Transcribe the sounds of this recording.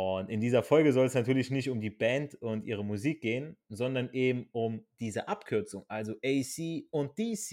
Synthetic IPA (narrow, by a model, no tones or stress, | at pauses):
ʔʊntɪndiːzɐfɔlɡəzɔlɛsnatʰyːɐlɪçnɪçtʊmdiːbɛntʊntʔḭːʁ̞əmuziːk̚ɡ̥eːənzɔndɐnʔeːbm̩ʊmd̥iːzəʔapkʰʏɐt͡sʊŋʔalzoʔɛɪsiːʊnt̚d̥isi